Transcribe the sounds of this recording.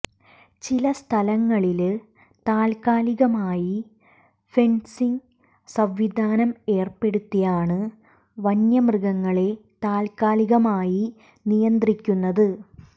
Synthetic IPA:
t͡ɕilɐst̪ʰɐlɐŋːɐɭil | t̪aːlkaːliɣɐmaːji | fe̞nsiŋ | sɐʋʋid̪ʱaːnɐme̞ːrpe̞ɽut̪ːijaːɳɨ | ʋɐnjɐmrɨɣɐŋːɐɭe̞t̪aːlkaːliɣɐmaːji | nijɐnd̪rikʲːunːɐðɨ

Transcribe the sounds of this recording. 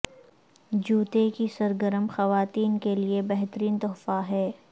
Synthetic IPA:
d͡ʒuːt̪ekisɐɾɡəɾəmxɐʋaːt̪iːnkeliebɛɦt̪əɾiːnt̪ɔːfaɦɛː

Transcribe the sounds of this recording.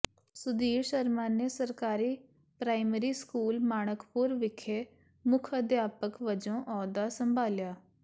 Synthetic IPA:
sʊd̪iːɾʃəɾmaːneːsəɾkaːɾiː | pɾaːiməɾiːskuːlmaːɽ̃əkpʊɾʋɪkʰːeː | mʊkʰəd̪jaːpəkʋəd͡ʒõːʔɔːd̪aːsəmbʱaːljaː

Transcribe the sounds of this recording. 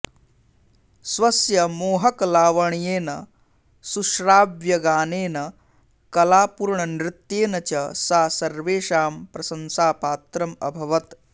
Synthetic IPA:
sʋɐsjɐmoːɦɐklaːʋɐɳjeːnɐ | suʃɾaːbjɐɡaːneːnɐ | kɐlaːpuɾɳɐnɾɪt̪jeːnɐt͡ʃɐsaːsɐɾʋeːʃaːmpɾɐsɐnsaːpaːt̪ɾɐmɐbʱɐʋɐt̪

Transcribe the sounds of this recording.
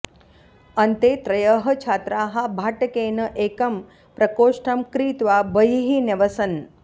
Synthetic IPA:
ɐnt̪eːt̪ɾɐjəɦɐt͡ʃʰaːt̪ɾaːɦabʱaːʈɐkeːnɐʔeːkɐm | pɾɐkoːʂʈʰɐmkɾiːt̪ʋaːbəjɦineʋɐsɐn

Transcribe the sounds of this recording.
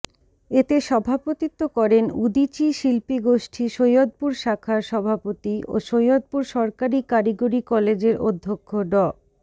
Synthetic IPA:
et̪eʃɔbʱapot̪it̪ːokɔɾenud̪it͡ɕiʃilpiɡoʃʈʰiʃojod̪̚puɾʃakʰaɾʃɔbʱapot̪iʔo̰ʃojod̪̚puɾʃɔɾkaɾikaɾiɡoɾikɔled͡ʑeɾo̰d̪ʱːokʰːoɖɔ

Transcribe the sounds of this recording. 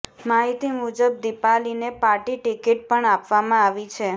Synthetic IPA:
maɦit̪imud͡ʒəb̚d̪ipalinepaɾʈiʈikiʈ̚pəɳapʋamãaʋit͡ʃʰe

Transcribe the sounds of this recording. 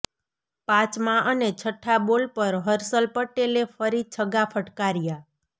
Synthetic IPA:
pãt͡ʃmãʔənet͡ʃʰəʈʰːabolpəɾɦəɾsəlpəʈelefəɾit͡ʃʰəɡafʰəʈkaɾja

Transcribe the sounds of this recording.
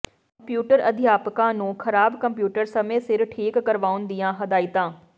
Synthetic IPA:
kɐ̃mpjuːʈəɾɐd̪ʱijaːpkãnũxʰɐɾaːbkɐ̃mpjuːʈəɾsɐmesɪɾʈʰeːkːɐɾʋaːʊ̃nd̪ijãːɦɐd̪aːit̪ãː

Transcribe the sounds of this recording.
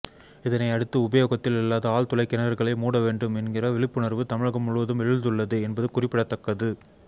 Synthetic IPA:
ɪðɐnɐɪɐɽɯt̪ːɯʊbɐjoːɣɐt̪ːɪlɪlːaːðɐaːɭt̪ʊlɐɪkːɛnɐɾɐɾɣɐɭɐɪmuːɽɐʋeːɳɖɯmɛnɡɪrɐʋɪɭɪpːɯnɐɾʋɯt̪ɐmɪɻɐɣɐmʊɭɯʋɐðɯmɛɻɯnd̪ɯɭːɐðɯɛnbɐðɯkʊrɪpːɪɽɐt̪ːɐkːɐðɯ

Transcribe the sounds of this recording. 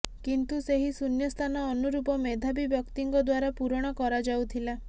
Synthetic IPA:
kint̪useɦisunjɔst̪ʰanɔːnuɾupɔmed̪ʱabibjɔkt̪iŋɡɔd̪waɾapuɾɔɽ̃ɔkɔɾad͡ʒawt̪ʰila

